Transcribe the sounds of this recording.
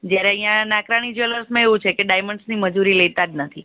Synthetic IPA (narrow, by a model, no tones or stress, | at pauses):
d͡ʒjaɾeəɦĩjãnakɾaɽ̃id͡ʒələɾsmãeʋũt͡ʃʰekeɖajməɳsniməd͡ʒuɾilet̪ad͡ʒnət̪ʰi